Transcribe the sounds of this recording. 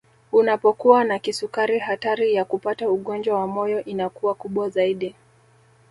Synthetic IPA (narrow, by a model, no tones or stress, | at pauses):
unapɔkuwanakisukaɾiɦataɾijakupatauɠɔnd͡ʒwawamɔjɔʔinakuwakuɓwazaiɗi